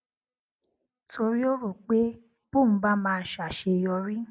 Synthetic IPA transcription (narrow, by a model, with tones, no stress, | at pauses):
tʰo˧ɾi˦o˦ɾo˨k͡pe˦ | b̥u˦˨m̩̃˦ba˦mãː˦˧˦ʃa˨ʃe˧jɔ˧ɾi˦